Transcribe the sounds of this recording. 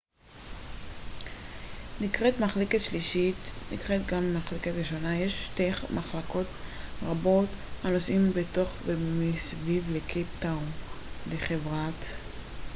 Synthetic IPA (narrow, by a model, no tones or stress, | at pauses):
nikʁetmaχleketʃliʃitnḭkʁetɡammaχleketʁiʃo̞najeʃʃtejχmaχlako̞tʁabo̞thano̞sʔimbeto̞χvemisvivlekʰeptawmleχevʁat